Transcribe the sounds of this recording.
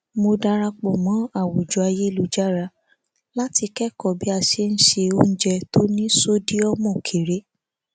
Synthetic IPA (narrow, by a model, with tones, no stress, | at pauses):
mo˧da˧ɾa˧k͡pɔ˨mɔ̃˨˦a˦˨wo˨d͡ʒɔ˨a˧je˦i˦lu˦d͡ʒa˦ɾa˧ | la˦ti˧kɛ˦kɔ˦˨bi˦a˧˨ʃe˧n̩˦ʃe˧o˦n̩˦d͡ʒɛ˧to˦nĩ˦so˦di˦ɔ˦mɔ̃˦˨kʰe˨ɾe˨˦